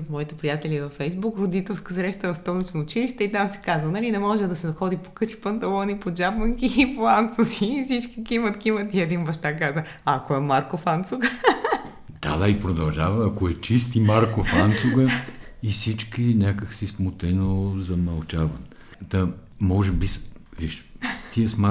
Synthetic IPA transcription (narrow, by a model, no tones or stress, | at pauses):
t̪mɔit̪ɛpɾijat̪ɛlivɐfɛjzbukɾod̪it̪ɛlˠskəsɾɛʃt̪əvɐfst̪ɔlit͡ʃnoːt͡ʃiliʃt̪ɛit̪amsɛ̥kazənɐlinɛmɔʒɛd̪ɐsɛnɐxɔd̪ipo̥kɤsi̥pɐnt̪ɐlˠɔnipod͡ʒabməŋkiːpoant̪sosifsit͡ʃkʲikimət̪kʲimət̪iɛd̪inbɐʃt̪akazə | aːkoɛmaɾkofant̪suɡə | d̪̥a̰d̪aipɾod̪ɐlˠʒavɐːkoɛt͡ʃist̪imaɾkofant̪suɡəifsit͡ʃkʲinʲjakəxsismot̪ɛnozɐmɐlˠt͡ʃavən | t̪ɐmɔʒɛbisviʃt̪iəsma